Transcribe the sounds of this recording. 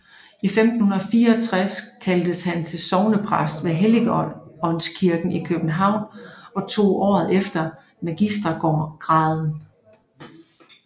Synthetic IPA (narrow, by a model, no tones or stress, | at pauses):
ifemd̥n̩hunɐɒfiːɐɒt͡sʰʁaskʰæld̥əshænt͡sʰe̝lsɒʊnəpʰʁasd̥ʋeɦeliɡ̥ɒ̽nskʰiɐɡ̥n̩ikʰøb̥n̩ɦɑ̈ʊ̰nɒ̽t͡sʰo̝̰ːʔɒ̰ːð̩ˠefd̥ɐ | mæɡ̥isd̥ʁɐɡ̥ɒɡ̥ʁɑ̈ːðˠn̩